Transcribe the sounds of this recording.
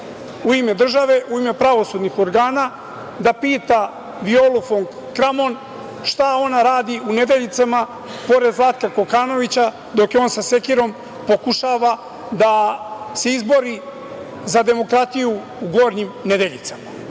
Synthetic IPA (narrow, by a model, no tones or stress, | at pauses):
uime̞d̪r̩ʒaʋe̞ʔuime̞pɾaʋo̞sud̪nixo̞ɾɡaːna | d̪apiːt̪a | ʋio̞lufo̞ŋ | kɾamo̞n | ʃt̪ao̞naɾaːd̪iune̞d̪eʎit̪sama | po̞ɾe̞d̪zlˠat̪kako̞kaːno̞ʋit͡ɕa | d̪o̞kjeo̞ːnsase̞kiɾo̞m | po̞kuʃaːʋa | d̪ase̞izbo̞ɾi | zad̪e̞mo̞kɾat̪ijuː | ɡo̞ːɾɲimne̞d̪e̞ʎḭt̪sama